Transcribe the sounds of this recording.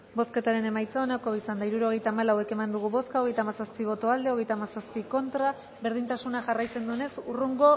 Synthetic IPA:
bo̞ske̞t̪aɾe̞ne̞majt͡saonako̞isand̪aiɾuɾo̞ɣe̞jt̪aːmalawe̞ke̞mand̪uɣ̞uβo̞skao̞ɣ̞e̞jt̪amasaspiβ̞o̞t̪o̞ald̪e̞o̞ɣ̞e̞jt̪aːmasaspiko̞nt̪ɾa | βe̞ɾð̞int̪asunaʝarajt͡se̞nd̪uene̞suruŋɡo̞

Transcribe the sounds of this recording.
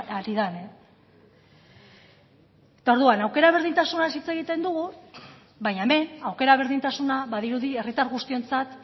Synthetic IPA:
aliðane | et̪ao̞ɾðuanawke̞ɾaβ̞e̞ɾð̞int̪asunasit͡se̞ɣit̪e̞nd̪uɣu | βaɲaeme̞nawke̞ɾaβ̞e̞ɾðint̪asunaβaðiɾuðie̞rit̪aɾɣust̪io̞nt͡sat̪

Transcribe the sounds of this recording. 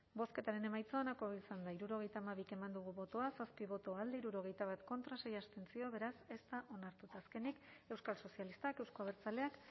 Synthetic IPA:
bo̞ske̞t̪aɾe̞ne̞majt͡soanako̞isand̪aiɾuɾo̞ɣ̞e̞jt̪aːmaβike̞mand̪uɣ̞uβo̞t̪oasaspiβ̞o̞t̪o̞ald̪eiɾuɾo̞ɣ̞e̞jt̪aβ̞at̪ko̞nt̪ɾase̞jast̪e̞nt͡sio̞βe̞ɾase̞st̪aʔo̞naɾt̪ut̪aːske̞nike̞wskalso̞sialist̪akewsko̞aβeɾt͡sale̞ak

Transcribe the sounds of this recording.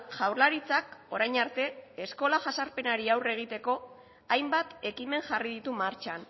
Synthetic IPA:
ʝawɾlaɾit͡sako̞ɾajɲaɾt̪e̞ːsko̞laʝasaɾpe̞naɾiawre̞ɣ̞it̪e̞ko̞ | ajmbat̪e̞kime̞ŋʝariðit̪umaɾt͡ʃan

